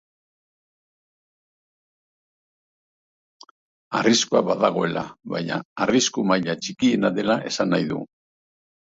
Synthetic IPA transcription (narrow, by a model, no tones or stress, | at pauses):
a̰riskuaβaðaɣo̞e̞lʔa̰βajɲa̰ːriskumaʎat͡ʃikie̞naðe̞laʔe̞sanːajðṵ